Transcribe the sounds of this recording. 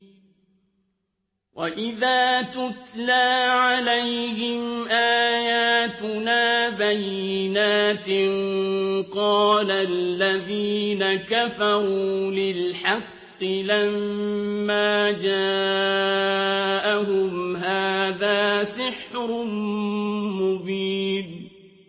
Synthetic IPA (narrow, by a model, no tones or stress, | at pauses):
wʔaʔɪðaːt̪ʊt̪laːʕalajhɪmʔaːjaːt̪ʊnaːbajːɪnaːt̪ɪnqɑːlalːaðiːnakafɑɾuːlɪlħɑqːɨlamː | aːd͡ʒaː | ʔaɦʊmɦaːðaːsɪħɾʊ | mʊbiːn